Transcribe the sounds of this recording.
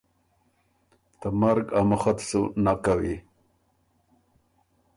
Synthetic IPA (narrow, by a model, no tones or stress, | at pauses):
t̪əmaɾɡaməxat̪sunakawi